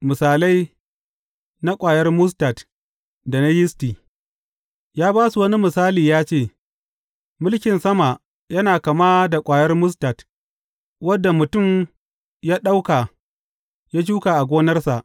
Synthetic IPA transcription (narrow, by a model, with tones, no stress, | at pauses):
mɪ˨saː˨la˦j | na˦kʷʼaː˨jɐ˦rmʊ˦s̬ta˨t | da˨na˦jɪ˦stiː˨ | jaː˦baː˦su˨wɐ˦ni˦mɪ˨saː˦liː˨jaː˦t͡ʃeː˦˨ | mʊ˦lkʲɪ˨nsɐ˦ma˨ | jɐ˦naː˨kɐ˨maː˦da˨kʷʼaː˨jɐ˦rmʊ˦s̬ta˨t | wɐ˦dːa˨mʊ˨tʊ˦˨m | jaː˦ɗa˦wka˨ | jaː˦d͡ʒuː˦kaː˨ʔa˨ɡʷoː˦nɐ˦rsa˨ʔ